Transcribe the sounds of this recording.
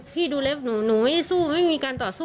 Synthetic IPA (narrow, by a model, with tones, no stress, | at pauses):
pʰiː˥˩duː˧le˦˥p̚nuː˩˦nuː˩˦ma˥˩˨suː˥˩ma˥˩jmiː˧kaː˧nt̪ɔː˨˩suː˥˩